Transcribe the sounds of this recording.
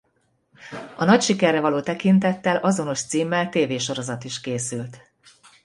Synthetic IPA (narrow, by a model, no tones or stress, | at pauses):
ɒnɒcʃikɛrːɛvɒloːt̪ɛkint̪ɛt̪ːɛlʔɒzo̞no̞ʃt̪siːmːɛlt̪eːveːʃo̞ɾo̞zɒt̪iʃkeːsylt̪